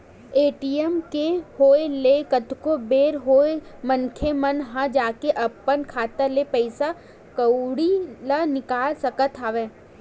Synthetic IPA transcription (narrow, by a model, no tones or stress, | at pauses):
eːʈiemkehoːelekət̪kobeːɾɦoːemənkʰemɐnɦãd͡ʒaːkeʔɐpːənkʰaːt̪əlepɛɪsa | kɐwɽilanɪkaːlsɐkət̪ʰaːʋeː